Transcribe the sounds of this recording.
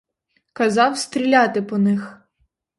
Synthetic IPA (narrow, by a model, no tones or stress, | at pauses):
kɐzɑwst̪ɾʲilʲɑt̪ɪpɔnɪx